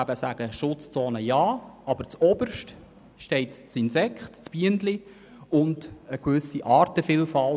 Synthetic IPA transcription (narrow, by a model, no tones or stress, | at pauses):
æbəsæɡ̥əʃʊt͡st͡sɔːnəjɑːɑbəɾt͡sɔb̥əɾʃt | ʃtɛɪtt͡sinsɛkχtt͡sb̥iəndli | ʊndəkʋʏsiʔɑːɾtəfɪlfɑl